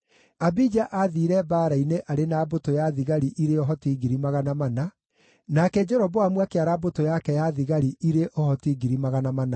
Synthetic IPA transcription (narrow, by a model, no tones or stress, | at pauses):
abid͡ʒaʔaðiːɾɛbaːɾaineʔaɾenabotojaðiɣaɾiʔiɾeɔɦɔtiɡiɾimaɣanamana | nakɛd͡ʒɛɾɔbɔamwakeaɾabotojakɛjaðiɣaɾiʔiɾeʔɔhɔtiɡiɾimaɣanamana